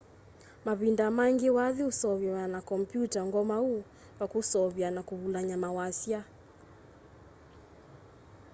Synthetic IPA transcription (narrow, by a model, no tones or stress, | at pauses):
maβindamaŋɡewaðiusɔβɛwanakɔmpjutaŋɡɔmau | pakusɔβjanakuβulaɲamawasja